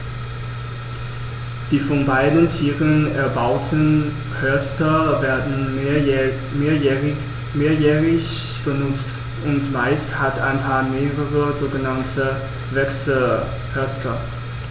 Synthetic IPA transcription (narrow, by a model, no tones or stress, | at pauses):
d̥iːfɔnbaɪdn̩tʰiːʁənɛɐbaʊtʰən̩ | pʰœɐstɐvɛɐdn̩ | meːɐ | meːɐjɛːʁɪç | b̥ənʊt͡st | ʔʊntmaɪsthata̰ɪnpʰaːɐmeːʁəʁəzoːɡənantʰə | vɛksə | hʰœɐstʰɐ